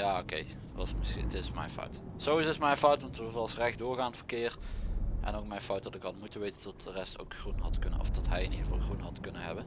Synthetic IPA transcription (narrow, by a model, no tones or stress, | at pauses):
jaːokḛj | ʋɑsmɪsiətɪsmɛ̰jnfɑ̰wtsowizɪsmɛjfɑwtʋɑntɑlsrɛxdʊːɹɣaːntfərkɪːrʔɛ̰nowk̚mɛjnfɑwtdɑtɪkɦɑdəmutənʋejtəntɔt̚dərɛsto̰wkxrunɦɑtkɵnəɔ̰fdɔtɦɛjənidəvɑlˠxrunɦɑtkɵnəɦɛ̰bən